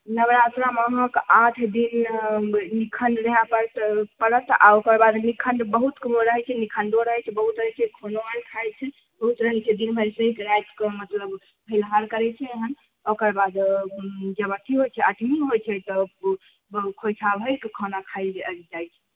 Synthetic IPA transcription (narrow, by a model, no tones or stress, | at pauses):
nəbɾat̪ɾaməɦə̃kat̪ʰd̪in | nikʰəɳɖɾeɦapəpəɾət̪a̰okəɾbad̪nikʰənɖbəɦut̪kəmoɾəɦɛt͡ʃʰɛnikʰənd̪oɾəɦɛt͡ʃʰɛbəɦut̪ɾəɦɛt͡ʃʰɛkʰonoənkʰajlt͡ʃʰɛ | bəɦut̪ɾəɦɛt͡ʃʰɛd̪inbʱəjlsəɦikɾajt̪kemət̪ləb | bʱəjlɦaɾkəɾɛt͡ʃʰɛɦən | okəɾbad̪ | d͡ʒəbət̪ʰiɦojt͡ʃʰɛʔəʈmiɦojt͡ʃʰɛt̪ɔ | kʰojt͡ʃʰabʱəɾkekʰanakʰaɪld͡ʒajt͡ʃʰɛ